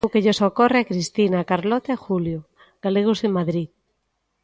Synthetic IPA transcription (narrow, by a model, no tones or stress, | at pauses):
wkeʎesokoreakɾist̪inakaɾlɔt̪aexuljo | ɡ̥aleɣ̞usemaðɾið